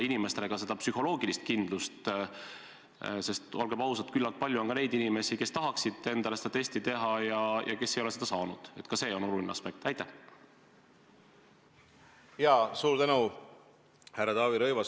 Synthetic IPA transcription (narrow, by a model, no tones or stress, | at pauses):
inime̞st̪eleɡɑse̞d̪ɑpsyho̞lo̞ːɡilist̪̚kind̪lust̪ | sest̪o̞lɡeb̥ɑwsɑt̪kylːɑlt̪̚pɑlʲjuo̞nkɑne̞jd̪inime̞sike̞st̪ɑɦɑksid̪̥e̞nd̪̥ɑlesed̪ɑt̪e̞st̪it̪e̞ɦɑjɑjɑ̰ke̞sːejo̞le̞se̞d̪ɑsɑːnud̪̥e̞t̪ːˑkɑse̞ːo̞no̞lulʲineɑ̰spe̞k̚t̪æjt̪ːˑæh | jɑːsuːɾt̪ænu | hærːɑt̪ɑːviɾɤjvɑ